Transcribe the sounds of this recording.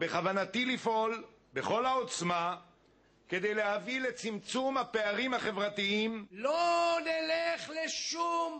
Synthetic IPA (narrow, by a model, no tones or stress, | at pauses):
beχavanat̪ilifʔo̞l | be̞χo̞lhao̞t͡sma | ke̞d̪e̞jleɦavile̞t͡simt͡sumhape̞aʁimhaχe̞vʁat̪iimloneleχleʃum